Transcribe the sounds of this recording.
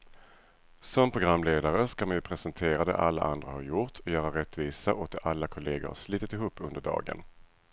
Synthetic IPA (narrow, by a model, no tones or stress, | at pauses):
sɔmpʰɾʊɡɾamːleːd̪aɾəskamanjɵpʰɾɛsɛnt̪ʰeːɾad̪ɛ̰ʔalːa̰ʔa̰nd̪ɾahaɾjʊt̪ʰɔjœːɾaɾɛt̪ːviːsaʔoːt̪ɛʔalːakʰʊleːɡʊ̰ɾha̰ʂliːt̪ːɪt̪ɪɦuːpːɵnd̪əɖɑ̰ːɡə̰n